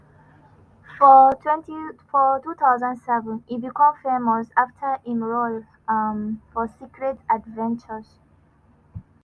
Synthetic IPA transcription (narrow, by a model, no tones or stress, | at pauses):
fɔɛ̃ntifɔtut̪aʊzə̃ndsɛvə̃nibikʰõmfemɔsaftʰə˞ĩnɹol | fɔsikɹɛtadvɛ̃nt͡ʃəz